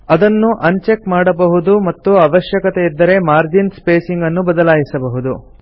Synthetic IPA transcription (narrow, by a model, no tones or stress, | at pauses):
ɐd̪ɐnːuʔɐɲt͡ʃekmaːɽɐbɐɦud̪umɐt̪ːuɐʋɐʃjɐkɐt̪eid̪ːɐɾe̞maːɾd͡ʒinspeːsiŋɡɐnːubɐd̪ɐlaːjisɐbɐɦud̪u